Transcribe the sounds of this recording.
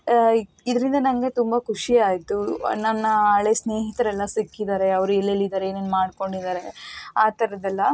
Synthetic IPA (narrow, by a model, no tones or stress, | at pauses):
id̪ɐɾind̪ɐnɐŋɡe̞t̪umbɐkʰuʂiaːjt̪unɐnːɐaːɭesne̞ːɦit̪ɐɾɛlːɐsikːid̪aːɾe̞ɐʋɐɾuɛlːelːid̪aːɾeeːnenmaːɖko̞ɳɖid̪aːɾe̞aːt̪ɐɾɐd̪ɛlːɐ